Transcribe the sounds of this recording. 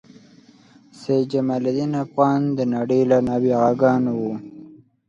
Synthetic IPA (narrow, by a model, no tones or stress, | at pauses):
sed͡ʒamalad̪inafɣɑːnd̪ənaɽejlanɑwiɣaɡɑnwu